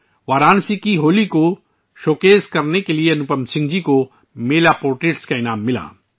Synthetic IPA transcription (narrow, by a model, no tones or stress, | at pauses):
ʋaːɾaːnsikiɦoːliko | ʃoːkeːzkɐɾnekelieɐnʊpəmsɪ̃ŋɡd͡ʒiko | meːlapoːɾʈɾeːʈskaɪnaːmːɪla̰ː